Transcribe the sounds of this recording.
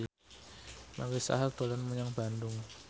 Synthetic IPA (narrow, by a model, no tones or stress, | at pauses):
maɾisa̰ɦalt̪olanmuɲaŋb̥andʊŋ